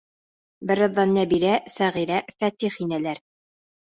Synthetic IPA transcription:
bɘ̆ɾɤ̆ðːɑnːæbiɾæsæʁiɾæfæt̪iχinælæɾ

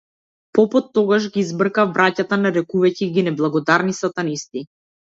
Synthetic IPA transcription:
pɔpɔt̪ːɔɡaʒɡiizbr̩kavbɾacat̪anaɾɛkuvaciɡinɛblˠaɡɔd̪aɾnisat̪anist̪i

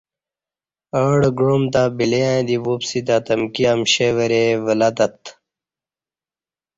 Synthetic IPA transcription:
əɽɡɻomt̪aːbileãd̪ibupsit̪at̪ɐmkiɐmɕeʋəɾeʋəlɐt̪ɐt̪

